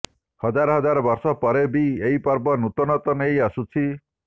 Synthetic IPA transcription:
hɔd͡ʒaɾɔɦɔd͡ʒaɾɔbɔɾsɔpɔɾebieipɔɾbɔnut̪ɔnɔt̪ɔnejasut͡ʃʰi

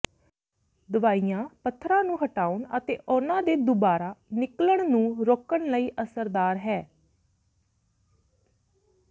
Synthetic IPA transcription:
d̪ʊʋaːijãːpət̪ʰːɾãːnũːɦəʈaːʊɳət̪eːʔʊnãːd̪eːd̪ʊbaːɾaːnɪkləɳnũːɾoːkəɳləiːʔəsəɾd̪aːɾɦɛː

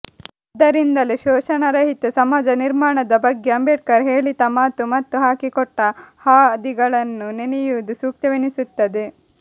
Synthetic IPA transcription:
id̪ːɐɾind̪ɐleʃɔːʃɐnɐɾɐɦit̪esɐmaːd͡ʒɐniɾmaːɳɐd̪ɐbɐɡːeɐmbeːʈkɐɾɦe̞ːɭit̪ɐmaːt̪ːumɐt̪ːuɦaːkikɔʈːɐhaːd̪iɡɐɭɐnːunenijuʋd̪usuːk̚t̪ɐʋinisut̪ːɐd̪e

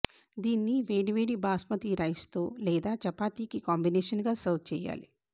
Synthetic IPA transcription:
d̪iːnːiʋeːɽiʋeːɽibaːsmɐt̪iɾɐjst̪oːlɛːd̪aːt͡ʃɐpaːt̪iːkikaːmbineːʂɐnɡaːsɐwt̪̚ʰt͡ʃɛ̰ːja̰ːlḭ

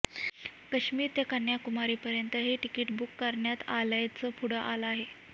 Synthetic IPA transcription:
kəɕmiːɾt̪jakəɾɳjakumaɾiːpəɾjənt̪əɦeʈikiːʈbukːəɾɳjat̪alajt͡səːpʰuɽəʔalaɦe

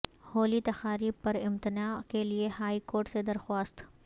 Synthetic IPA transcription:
hoːlit̪ɐxaːɾiːb̚pɐɾɪ̃mt̪ɪnaːkeliehaːikoːɾʈsed̪ɐɾxwaːst̪

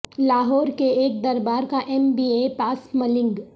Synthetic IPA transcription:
laːɦɔːɾkeeːk̚d̪ɐɾbaːɾkaʔɛmbiːepaːsmɐlɪ̃ŋɡ

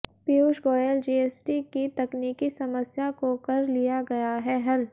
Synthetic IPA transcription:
piuːʃɡoːjəld͡ʒiːeːsʈikit̪ɐkniːkisɐməsjakokɐɾlijaɡɐjaɦɛɦɐl

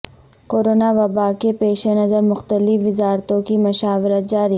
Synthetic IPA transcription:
koːɾoːnaʋɐbaːkepeːʃenɐzəɾmʊxt̪əlɪfʋɪzaːɾt̪õkimʊʃaːʋɪɾət̪̚d͡ʒaːɾi

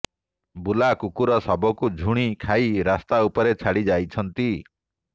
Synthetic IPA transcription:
bulakukuɾɔsɔbɔkud͡ʒʱuɽ̃ikʰajɾast̪aupɔɾet͡ʃʰaɽid͡ʒajt͡ʃʰɔnt̪i

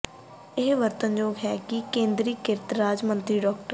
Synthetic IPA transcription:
ɪɦʋəɾt̪ənd͡ʒoːɡɦɛːkikẽːnd̪ɾiːkɪɾt̪ɾaːd͡ʒmə̃nt̪ɾiːɖɔːkʈə

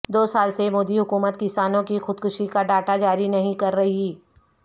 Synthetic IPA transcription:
d̪oːsaːlsemoːd̪iɦʊkuːmət̪kɪsaːnõkixʊd̪kʊʃikaɖaːʈad͡ʒaːɾinɐɦĩkɐɾːɐɦiiː

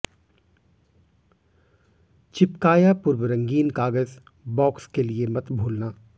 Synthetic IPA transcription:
t͡ʃɪpkaːjapʊɾwəɾɐ̃ŋɡiːnkaːɡəz | bɔːkskeliemɐt̪bʱuːlnaː

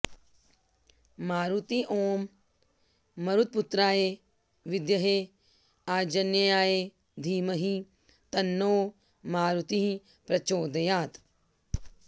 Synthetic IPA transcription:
maːɾut̪iʔoːm | ɐɾut̪̚put̪ɾaːje | ʋɪd̪jɐɦe | aːd͡ʒɐnjɐjaːje | d̪ʱiːmɐɦi | t̪ɐnːoː | maːɾut̪iɦi | pɾɐt͡ʃoːd̪ɐjaːt̪

